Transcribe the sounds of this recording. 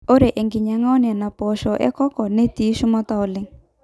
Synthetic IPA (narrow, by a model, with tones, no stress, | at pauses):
o˦ɾe˨ʔe˨ŋɡɪ˨ɲa˨ŋa˦ɔ˦n˨ɛ˨na˨pɔ˨ʃɔ˨ʔɛ̰˦kɔ˦kɔ˨ne˦ti˨˦ʃʊ˦mɔ˦t̪a˦ʊ˨lɪ˦ŋ